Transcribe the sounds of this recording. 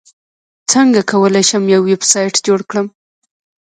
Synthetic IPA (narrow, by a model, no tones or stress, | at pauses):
t͡səŋɡakʰawəlajʃəmjawːebsɑjʈd͡ʒoɽkɽəm